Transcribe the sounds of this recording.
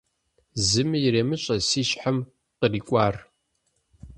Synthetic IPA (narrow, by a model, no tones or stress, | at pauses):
zɨmɨjɪɾeːmɨɕʼɐsiːʃħam | qəriːkʷʼaːr